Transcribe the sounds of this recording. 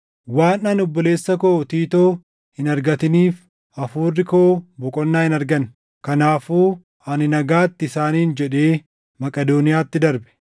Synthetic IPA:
waːnːanɔbːɔle̞ːsːɐkoːt̪iːt̪oː | hɪnɐɾɡɐt̪ɪniːf | ɐfuːrːɪkoːbɔkʼɔnːaːhɪnɐɾɡɐn | kɐnaːfuː | ɐnɪnɐɡaːt̪ːɪɪsaːniːnd͡ʒɛᶑe̞ː | mɐkʼɐd̪oːnɪjaːt̪ːɪd̪ɐɾbɛ̥

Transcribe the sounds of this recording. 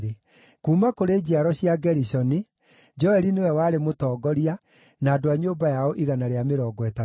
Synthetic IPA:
ɾe | kuːmakoɾeːd͡ʑiaɾɔɕiaɡɛɾisɔni | d͡ʒɔɛɾinewɛwaːɾemotɔːɡɔɾia | naːdoaɲoːbajaɔʔiɣanaɾeameɾɔːɡwɛta

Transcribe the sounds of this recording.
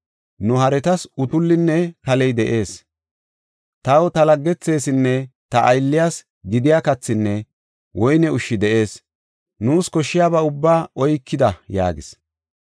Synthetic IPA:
nʊhɐɾɛt̪ɐsʊt̪ʊlːɪnːɛkɐlɛjd̪ɛʔe̞ːs | t̪ɐwt̪ɐlɐɡːɛt͡sːe̞ːsɪnːɛt̪ɐʔːjlːɪjas | ɡɪd̪ɪjakɐt͡sːɪnːɛ | wɔjnɛʊʃːɪd̪ɛʔe̞ːs | nuːskɔʃːɪjaːbɐʊbːaːʔɔjkːɪd̪ɐja̰ːɡɪ̰s

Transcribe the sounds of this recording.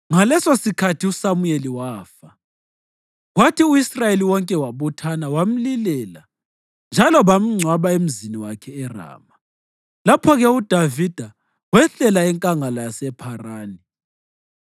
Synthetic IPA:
ŋalɛsosikʰatʰiusamueliwaːfa | ɣwatʰiuisrajeliwɔŋkʼɛwaβɔtʰanawam̩lilɛla | nd͡ʒʱalɔβam̩ŋ͡ǀʱwaβaem̩ziniwakʰɛːra̰ːma | lapʰɔɣɛud̥ʱavid̥ʱa | wɛɬɛlaɛŋkʼaŋalajasɛpʰaraːni

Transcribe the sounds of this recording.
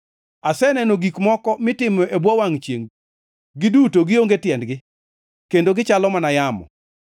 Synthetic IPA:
asɛnɛnoɡikmɔkɔmɪtɪmɔʔebwɔwaŋt͡ʃjeŋ | ɡɪdutoɡɪoŋɡetjɛndɡɪ | kendoɡɪt͡ʃalɔmanajamɔ̰

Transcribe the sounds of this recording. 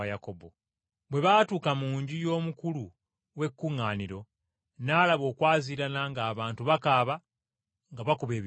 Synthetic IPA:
ajakobo̰ | bwe̞βaːtuːkamuːɲɟijo̞ːmukulu | we̞kːuŋːaːniɾo̞ | naːlaβo̞ːkwaːziːɾanaŋɡaːβaːntuβakaːβa | ŋɡaβakuβeːβ

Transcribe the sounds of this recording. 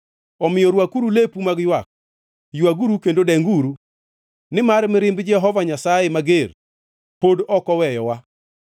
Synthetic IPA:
ɔmɪjɔɾwakuɾulepumaɡjwak̚ | jwaɡuɾukendodɛŋɡuɾu | nɪmarmɪɾɪmbd͡ʒɛɦɔvaɲasajemaɡer | podɔkɔwɛjɔwa

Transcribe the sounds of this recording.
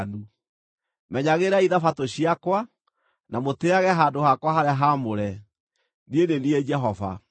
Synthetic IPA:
nu | mɛɲaɣeɾaiðafatoɕiakwa | namoteaɣɛɦaːndohakwaɦaɾeaɦamoɾɛ | niedenied͡ʒɛɦɔva̰

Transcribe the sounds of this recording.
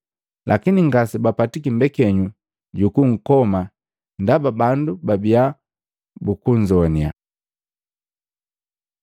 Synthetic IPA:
lʔa̰kiniŋɡasibapatikimbɛkɛɲu | ɟukuŋ̩kɔma | ndababandubabia | bukuɲd͡ʒɔnia̰

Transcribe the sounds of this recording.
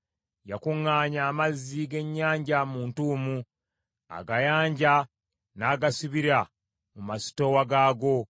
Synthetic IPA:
jakuŋːaːɲaːmazːiɡe̞ɲːaːɲɟamuːntuːmu | a̰ɡajaːɲɟa | naːɡasuβiɾa | mumasi̥to̞waɡaːɡo̞

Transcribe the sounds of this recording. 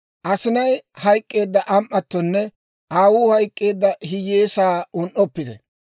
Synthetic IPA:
ʔɐsɪnɐjhɐjkʼːe̞ːd̪ːɐʔɐmʔːɐt̪ːɔnːɛ | ʔaːwuːhɐjkʼːe̞ːd̪ːɐɦɪjeːsaːʊnʔɔpːɪd̪ɛ̰

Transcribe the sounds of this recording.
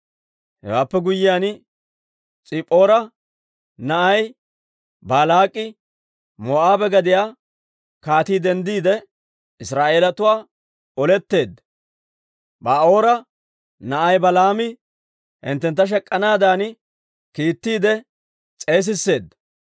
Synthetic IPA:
hɛ̰waːpːɛɡʊjːɪjaːn | t͡sʼɪpʼːo̞ːɾɐ | nɐʔɐj | baːlaːkʼːɪ | moːʔaːbɛɡɐd̪ɪjaː | kaːt̪iːd̪ɛnd̪iːd̪ɛ | ɪsɾaːʔe̞ːlɐt̪ʊwaː | ɔlɛt̪ːe̞ːd̪ːɐ | baːo̞ːɾɐ | nɐʔɐjbɐlaːmɪ | hɪ̰nt̪ːɛnt̪ːɐʃ̬ɛkʼːɐnaːd̪aːn | kiːt̪ːiːd̪ɛ | t͡sʼe̞ːs̬ɪsːe̞ːd̪ːɐ

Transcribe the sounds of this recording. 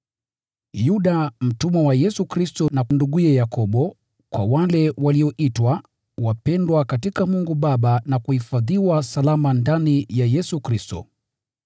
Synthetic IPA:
juɗam̩tumɛwajɛsukɾistɔnakunduɠuɛjakɔɓɔ | kwawalɛwaliɔʔitwa | wapɛndwakatikamuŋɡuɓaɓanakuhifaðiwasalamandanijajɛsukɾistɔ̰

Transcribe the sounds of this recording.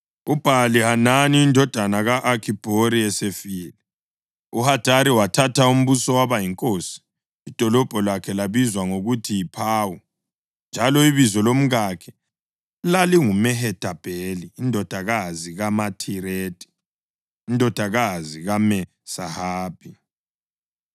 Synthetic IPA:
ub̥ʱalihananiːndʱɔd̥ʱanaɣaʔakʰib̥ʱoɾiɛsefiːlɛ | uhad̥ʱaɾiwatʰatʰaum̩βusɔwaβajiŋkʼoːsi̥ː | d̥ʱɔlɔb̥ʱɔlwakʰɛlaβizwaŋoɣutʰijipʰaːwu | nd͡ʒʱalɔiβizɔlom̩ɣakʰɛ̥ | laliŋumɛɦɛd̥ʰʱʼab̥ʱeliːndʱɔd̥ʱaɣaziɣamatʰiɾeːtʼi̥ː | ndʱɔd̥ʱaɣaziɣamɛ | sahaːb̥ʱi

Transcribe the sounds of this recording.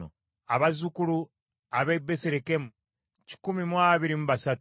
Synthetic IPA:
o̰ | a̰βazukulu | aβebːeseɾeke̞mu | ci̥kumimwaβiɾimuβasatu

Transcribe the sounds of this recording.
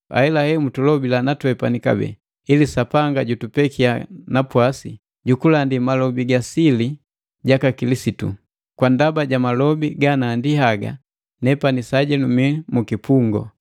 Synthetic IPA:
a̰ilahɛmutulɔbilanatwɛpanika̰bɛ̰ | ilisapaŋɡaɟutupɛkianapwasi | ɟukulandimalɔbiɡasili | ɟakakilisitṵ | kwandabaɟamalɔbiɡanaːndihaɡa̰ | nɛpanisaɟɛnumiɛmukipuŋɡɔ̰

